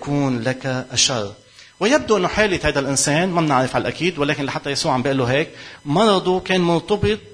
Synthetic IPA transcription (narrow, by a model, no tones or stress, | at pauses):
kuːnlakaʔaʃɑrˤː | wɪjab̚d̪uʔɪnːʊħeːlɪt̪hajd̪alʔɪnseːnmabnɪʕɾɪfʕalʔakiːd̪wɪleːkɪnlaħat̪ːajasuːʕambɪʔɪlːuɦeːk̚mɑɾˤɑd̪ˤukeːnmʊnt̪ˤɑbɨt̪̚ˤ